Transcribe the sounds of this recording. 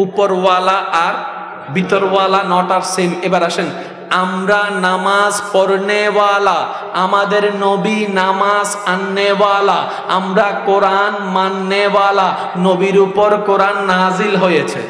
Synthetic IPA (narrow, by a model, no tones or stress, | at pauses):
upoɾwalaʔaɾ | bit̪oɾbalanɔʈaɾsemebaɾaʃen | amɾanamazpɔɾnebala | amad̪eɾnobinamazanːebala | a̰mɾakoɾan | manːebala | nobiɾupoɾkoɾanːad͡ʑilɦojet͡ɕʰe